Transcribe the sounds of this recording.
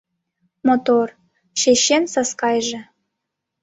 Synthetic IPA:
mot̪or | ʃeɕensɑskɑjʒĕ

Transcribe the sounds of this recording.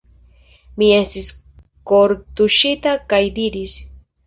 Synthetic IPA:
mie̞stis | koɾt̪uʃit̪akajd̪iɾis

